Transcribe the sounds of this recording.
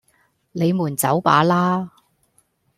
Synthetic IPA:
le˨˧jmuː˨˩nt͡sɐ˨˥wpa̰ː˨˥laː˥

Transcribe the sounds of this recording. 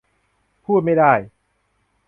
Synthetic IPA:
pʰuː˥˩t̪̚ma˥˩daː˥˩j

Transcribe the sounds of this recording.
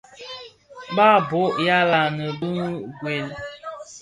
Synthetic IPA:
ba˦˨bo˦ʔja˦la˨nə˨bə˦ŋ˦ɡwe˨l

